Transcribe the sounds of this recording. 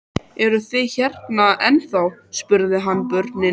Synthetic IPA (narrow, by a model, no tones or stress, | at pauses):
ɛɾʏθɪçɛrt̪naɛnθawspʏɾðɪɦanːpʏɾt̪nɪ